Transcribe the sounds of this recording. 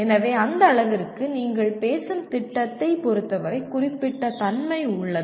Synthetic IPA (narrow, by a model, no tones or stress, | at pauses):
ɛnɐʋeːɐnd̪ɐːɭɐʋɪɾkːɯniːŋɡɐɭpeːsɯmt̪ɪʈːɐt̪ːɐɪpɔɾɯt̪ːɐʋɐɾɐɪkːʊrɪpːɪʈːɐt̪ɐnmɐɪʊɭːɐðɯ